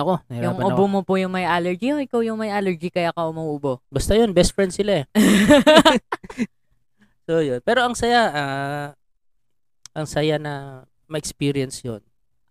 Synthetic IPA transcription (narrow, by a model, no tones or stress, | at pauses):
ɐkoɾjʊŋʔʊbomopʊjʊŋmɐjʔaːlɛɹd͡ʒioʔɪkawjʊŋmɐjʔaːlɛɹd͡ʒikɐjakɐʔʊmɐuʔʊbobɐst̪ajonbɛst̪fɹɛnd̪sɪlaɛ | sojonpɛːɾo̞ʔɐŋsɐjaa | ʔɐŋsɐjanɐ | mɐʔɛkspiɾɪɛnsjo̰n